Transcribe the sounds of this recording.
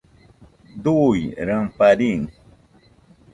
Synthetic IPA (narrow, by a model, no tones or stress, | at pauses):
d̪ujɾampaɾiŋ